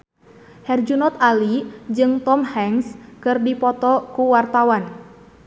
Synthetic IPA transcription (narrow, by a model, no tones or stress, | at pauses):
hɛrd͡ʒunɔt̪alid͡ʒɨŋt̪ɔmhɛŋskɨrdipɔt̪ɔkuwart̪awan